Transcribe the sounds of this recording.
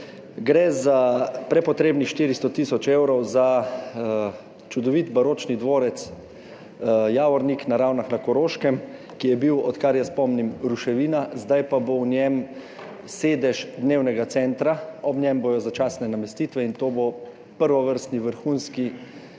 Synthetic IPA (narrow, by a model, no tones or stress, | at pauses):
ɡɾɛzapɾɛpɔt̪ɾeːbnixʃt̪iːɾist̪ɔt̪isɔt͡ʃewɾɔwza | t͡ʃud̪ɔʋit̪baɾoːt͡ʃnid̪ʋoːɾɛt̪s | jaːʋɔɾniknaɾawnaxnakɔɾoːʃkɛm | kijɛbiwɔt̪kaɾjaspɔmnimɾuʃɛʋiːnazd̪ajpabownjɛm | seːd̪ɛʒd̪neːwnɛɡat̪sɛnt̪ɾaɔbnjɛmboːjɔzat͡ʃaːsnɛnamɛst̪iːt̪ʋɛint̪oːbo | pəɾʋɔʋəɾst̪niʋəɾxunski